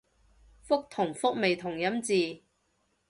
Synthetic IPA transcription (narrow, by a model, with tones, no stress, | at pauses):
fʊ˥k̚t̪ʰʊ˨˩ŋfʊ˥k̚me˨jt̪ʰʊ˨˩ŋjɐ˨˥mt͡siː˨